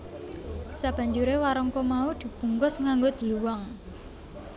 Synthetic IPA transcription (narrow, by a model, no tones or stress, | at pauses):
sab̥ä̤ɲd͡ʒuɾewaɾɔŋkɔmaud̪̥i̤b̥ṳŋkʊsŋaŋɡod̪̥i̤wɔŋ